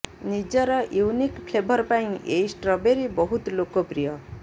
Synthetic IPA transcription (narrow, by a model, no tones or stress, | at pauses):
nid͡ʒɔɾɔjuwnikpʰlebʱɔɾpaĩʔejsʈɾɔbeɾibɔɦut̪lokopɾijʌ